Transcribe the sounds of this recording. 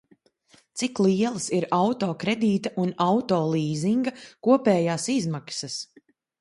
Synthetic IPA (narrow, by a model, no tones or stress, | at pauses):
t̪siklˠiɛlˠɐsiɾawt̪ɔːkɾɛd̪iːt̪ɐʔunawt̪ɔːlˠiːziŋɡɐkuɔpɛːjaːsizmaksɐs